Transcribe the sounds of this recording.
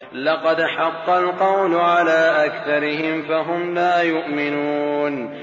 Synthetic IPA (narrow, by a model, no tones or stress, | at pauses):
lɑqɑd̪ħɑqːɑlqɑwlʊʕalaːʔakθɑɾɪɦɪmfaɦʊmlaːjʊʔmɪnuːn